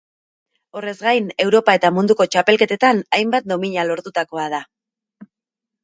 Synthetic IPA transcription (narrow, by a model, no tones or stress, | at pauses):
o̞re̞zɡajne̞wɾo̞pae̞t̪amund̪uko̞t͡ʃape̞lke̞t̪e̞t̪anajmbat̪̚d̪o̞miɲalo̞ɾt̪ut̪ako̞að̞a